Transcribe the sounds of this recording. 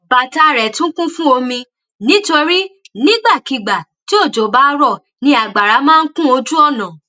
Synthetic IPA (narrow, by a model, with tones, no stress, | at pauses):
ba˨ta˧˨ɾɛ˨tũ˦kũ˦fũ˦o˧mĩ˧ | nĩ˨˦to˧ɾi˦ | nĩ˦ɡ͡ba˦˨ki˨ɡ͡ba˨ti˨˦o˦˨d͡ʒo˨ba˦˧ɾɔ˦˨ | nĩ˧a˨ɡ͡ba˨ɾa˨˦mãː˦n̩˦kũ˦o˧d͡ʒu˦ɔ˦˨nã˨